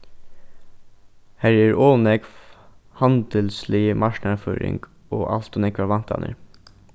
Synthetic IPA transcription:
hæɾæɹoːnɛɡfhɑnd̪əlsliːmɑʃnəfø̰ːɾɪ̰ŋɡ̥ | oːʔɑ̰lt̪ʊnɛkʋɑʋɑnt̪ʰɑ̰nə̰ɾ

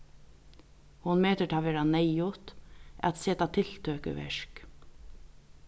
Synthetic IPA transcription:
hʊnmeːt̪ət̪ʰaːʋeːɾanɛjʊt̪æ̰t̪seːt̪at̪ʰɪlt̪ʰøːkə̰ʋɛ̰ʂk

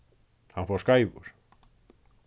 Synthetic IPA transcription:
hanfɔskajvʊ̰ɾ̥

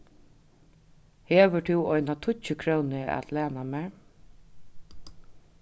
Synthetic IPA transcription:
heːʋət̪ʰɪwɔjnat̪ʰʊəkʰɾownɪæ̰t̪læːnamæɹ

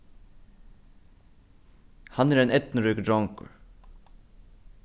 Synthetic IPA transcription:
hɑnæːɾeːnɛt̪nəɾʏːkd̪ɹɔŋkə̰ɹ

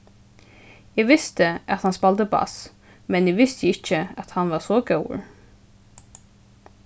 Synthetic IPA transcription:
ɛːʋɪst̪ɪat̪hanspalt̪əba̰s | mɛnɪːʋɪst̪jəɪt͡ʃːəæt̪hanʋaɹsɔɡɛw̰

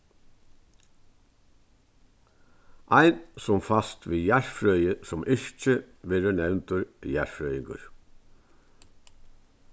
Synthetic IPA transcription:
ʔɑɪnsɔmfɑst̪ʋiːjæɹfɾœʏəsɔmʔɪɹc͡çə | ʋeːɾənɛʋnt̪ʊɾjæɹfɾœʏɪŋɡʊ̰ɹ

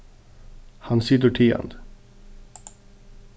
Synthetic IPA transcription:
hɑnsid̪əʈʰiːɑ̰nd̪

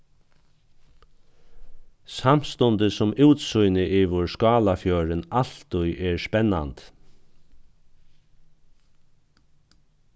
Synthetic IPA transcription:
sam̥st̪ɔnt̪əsʊmuwt̪sʊjnɪʔɪʋʊɹskɑːlafjœːɾɪnal̥t̪ʊjʔɛɹspɛnːa̰nt̪

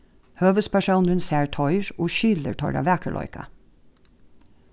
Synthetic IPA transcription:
høːʋəspʰæʃuːnʉnsæːɹtʰɔʏɹoːʃʏlə̰ɹʈʰɔ̰ɹɑ̰ʋæːkʰəlʔɔ̰ʏkɑ̰

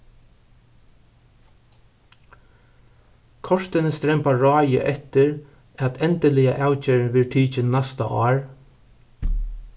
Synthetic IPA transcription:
kʰɔʂt̪ɪnəst̪ɾɛmpaɹɑːjə̰ʔɛt̪ɪɹ | æt̪ʰɛnt̪əlɪja̰ʔawt͡ʃɛːɾʋɪɹʈ̪ʰiːt͡ʃɪnnːast̪a̰ʔɑ̰ːɹ

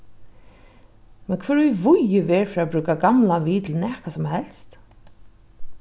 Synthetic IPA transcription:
mɛnkʰvœːɹujvʊjɪvɛːɹfɾabɾʉːkaɡamlaviːt̪ʰɪlnɛːkasɔmhɛl̥st̪

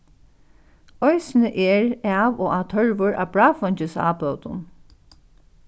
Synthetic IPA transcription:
ɔjsnəʔɛːɹaːʋoːaːt̪ʰœɹʋʊɹʔa̰ːbɹaːfɔɲt͡ʃɪsa̰ːpœwt̪ʊ̰n

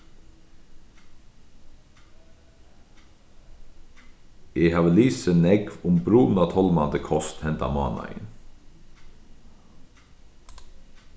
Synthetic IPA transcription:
ehɑːʋəliːsənɛɡʋʊmbɾuːn̩ɑt̪ʰɔlmɑnd̪əkʰɔst̪hɛnt̪ɑ̰mɑ̰ːnɑ̰ɪ̰n

